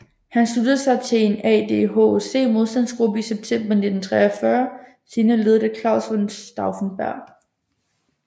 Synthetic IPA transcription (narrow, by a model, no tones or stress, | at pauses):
hænslud̥əð̩ˠsɑ̈ɪt͡sʰe̝e̝nɛ̰d̥e̝ɦo̝se̝̰ːmo̝ðˠsd̥æn̰sɡ̥ʁubəiseb̥̚t͡sʰem̰b̥ɐne̝d̥n̩t͡sʰʁɛɐfɶːɐ | siːnəle̝ð̞ˠɐdəkʰlɑ̈ʊsʋonsd̥ɑ̈ʊfnb̥æɐ̰